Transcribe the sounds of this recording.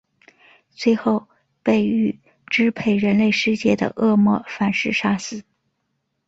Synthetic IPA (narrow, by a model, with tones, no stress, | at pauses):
t͡swe˥˧ɪxo˥˧ʊ | pe˥˧ɪy˥˩ | ʈ͡ʂɻ̩˥pʰe˥˩ɪɻə˧˥nle˥˧ɪʂɻ̩˥˧t͡ɕjɛ˥˩d̪ə̰˩ʔɤ˥˧mwɔ˥˩fa˨˩nʂɻ̩˥˩ʂa˥sɹ̩˨˩˦